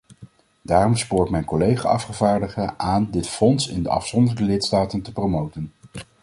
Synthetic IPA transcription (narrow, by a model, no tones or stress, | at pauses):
daːrɔmspʊːɹtmɛjnkɔlejχa̰ːɑfχəvaːɹdəχəʔaːndɪtfɔnsɪ̰ndə̰ʔɑ̰fsɔndəɹdəlɪtstaːtəntəprowmowtən